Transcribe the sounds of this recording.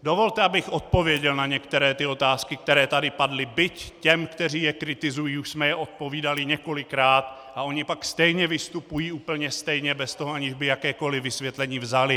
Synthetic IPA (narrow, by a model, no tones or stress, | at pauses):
do̞vo̞lt̪ɛabɪxʔo̞t̪̚po̞vjɛɟɛlnaɲɛkt̪ɛɾɛːt̪ɪo̞t̪aːskɪk̚t̪ɛɾɛːt̪adɪpadlɪbɪccɛmkt̪ɛriːjɛkɾɪt̪ɪzujiːuʃsmɛjɛʔo̞t̪̚po̞viːdalɪɲɛko̞lɪkɾaːt̪ʔao̞ɲɪpakst̪ɛjɲɛvɪst̪upujiːuːpl̩ɲɛst̪ɛjɲɛbɛst̪o̞ɦoaɲɪʒbɪjakɛːko̞lɪvɪsvjɛt̪lɛɲiːvzalɪ